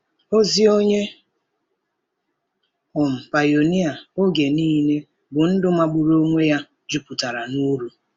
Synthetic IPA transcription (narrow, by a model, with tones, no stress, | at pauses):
o˦zi˦o˦ɲe˦ | ʊ˨m̩˨pa˨jo˨ni˦a˨o˦ɡe˨niː˦ne˦ | bʊ˨n̩˦dʊ˦ma˦˨ɡ͡bu˨ɾo˦ŋʷe˦ja˦ | d͡ʒu˦pu˨ta˨ɾa˨nu˦ɾu˦